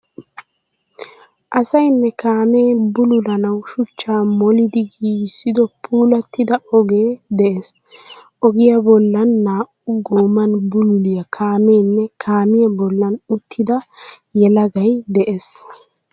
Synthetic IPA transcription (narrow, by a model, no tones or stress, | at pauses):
ʔɐsɐjnːɛkaːme̞ːbʊlʊlɐnɐwʃʊt͡ʃːaːmɔlɪd̪ɪɡiːsːɪd̪ɔpʰuːlɐt̪ːɪd̪ɐɔɡeːd̪ɛʔes | ʔɔɡɪjɐbɔlːɐnːaːʔʊɡoːmɐnbʊlʊlɪjɐkʰaːmeːnːɛkʰaːmɪjɐbɔlːɐnʊt̪ʰːɪd̪ɐ | jɛlɐɡɐjd̪ɛʔes